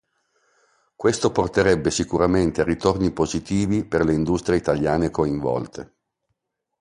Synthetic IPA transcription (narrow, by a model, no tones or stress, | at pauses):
kwest̪oport̪eɾɛbːesikuɾament̪earːit̪ornipozit̪iːviperleind̪ust̪ɾjeit̪aljaːnekoiɱvɔ̰lt̪ʰe